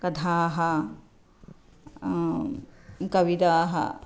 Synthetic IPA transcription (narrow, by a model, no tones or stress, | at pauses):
kɐt̪ʰaːɦɐ | kɐʋid̪aːɦɐ̰